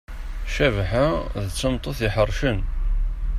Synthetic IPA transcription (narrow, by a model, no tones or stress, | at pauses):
ʃævħaðət͡sːənt̪ˤoθjəħərˤʃən